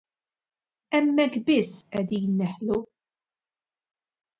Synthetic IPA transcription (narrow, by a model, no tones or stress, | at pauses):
ɛmːɛkːbɪsːʔɛd̪iːnːɛħlu